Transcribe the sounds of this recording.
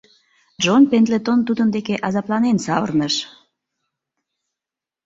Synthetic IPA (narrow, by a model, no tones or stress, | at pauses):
d͡ʒonpend̪let̪ont̪ud̪ənd̪ekeʔɑzɑplɑnensɑβə̰rnəʃ